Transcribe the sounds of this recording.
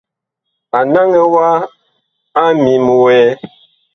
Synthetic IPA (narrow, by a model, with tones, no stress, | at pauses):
a˨na˦ŋɛ˦wa˦ | a˦mi˨mu˨wɛ˦